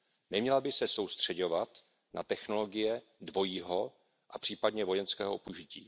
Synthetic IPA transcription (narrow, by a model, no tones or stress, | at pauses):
nɛmɲɛlabɪsɛso̞wst̪r̝̥ɛɟo̞vat̪ | na̰t̪ɛxno̞lo̞ɡɪjɛdvo̞jiːɦo̞ | ʔapr̝̥iːpadɲɛvo̞jɛnskɛ̰ːɦoopuʒɪcḭː